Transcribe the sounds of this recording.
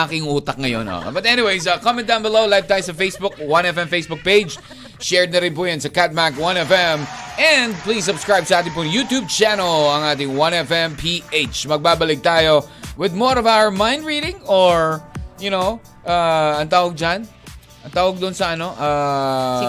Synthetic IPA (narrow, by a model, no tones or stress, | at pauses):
aːkɪŋuːt̪ɐk̚ŋɐjo̰no̰bɐt̪ɛnɪwejs̬akomɛ̃nd̪ãwnbɪlowlajv̚t̪aːjosɐfejsbʊk̚wɐnɛfɛmfejsbʊk̚peɪd͡ʒ | ʃɛɹd̪nɐɾɪnpuːjɐnsɐkat̪̚makwɐ̃nɛfɛmʔɛ̃nd̪̚plisːʊbskɹajb̚sɐʔaːt̪̬ɪ̃ŋpʊŋjuːt̪juːb̚t͡ʃanɐlɐŋʔaːt̪ɪŋwɐ̃nɛfɛmpʰiʔet͡ʃmɐɡ̚baːbɐlɪɡ̚t̪aːjowɪd̪̚mɔɹɔvawə˞mãj̃nd̪ɹiːdɪ̃ŋɔɹjʊnow | ʔaːɐnt̪aːwɐɡ̚d͡ʒan | ɐnt̪aːwɐɡd̪ʊʔnsɐʔɐno̞ʔa